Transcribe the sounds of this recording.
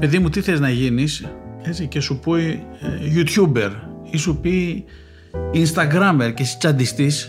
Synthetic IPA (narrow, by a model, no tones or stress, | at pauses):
peðimut̪iθeznɐʝinisesicesupoieʝut̪çube̞ɾisupi | inst̪ɐɡɾɐmeɾcesi̥t͡sɐnd̪ist̪is